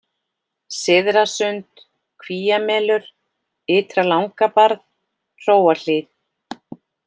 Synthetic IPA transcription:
sɪðɾasʏnt̪ | kʰviːjamɛːlʏɾ̥ | ɪːt̪ɾalawŋkapaɾðʰ | roːwal̥ɪːt̪

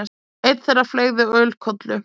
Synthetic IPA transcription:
ejt̪θɛrːafleːɣðʏœːɥlkʰɔt̪lʏ

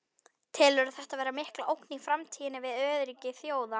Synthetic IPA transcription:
t̪ʰɪlœɾʏθɛht̪avɛːɾamɪhklaʔowknifɾamt̪ʰiːɪnɪvɪðœːðɾiːcɪθjoːwða

